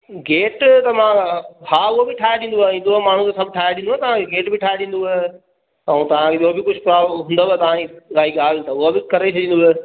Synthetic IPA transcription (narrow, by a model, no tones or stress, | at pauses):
ɡeːʈt̪ɐmãhaːʊɦobɪʈʰaːeɗĩːn̆d̪uaːĩːnd̪oɦɛmaːɳ̤ũkʰesɐbʱʈʰaːjeɗĩːnd̪oɦɛt̪ɐʋ̤ãkʰeɡeːʈbɪʈʰaːjeɗĩːn̆d̪uɛ | ɐũt̪ɐʋ̤ãkʰeʄoːbɪkʊd͡ʑʱʊpɾaːɦũːnd̪aɛt̪ɐʋ̤ãiɡaːiɡaːlt̪ɐʊɦabɪkɐɾet͡ʃʰɐɗĩːnd̪oɦɛ